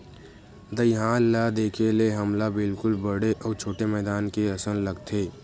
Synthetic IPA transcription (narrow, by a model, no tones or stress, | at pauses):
d̪əjɦaːnːad̪eːkʰeleɦɐmlabɪlkʊlbəɽeʔɔːɾt͡ʃʰoːʈemɛːd̪aːnkeɐsəllɐɡt̪ʰeː